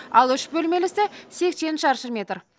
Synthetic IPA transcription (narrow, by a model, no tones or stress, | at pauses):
ɑlˠʏʃbɵlme̞lɪsɪse̞kse̞nʃɑɾʃəmʲe̞t̪r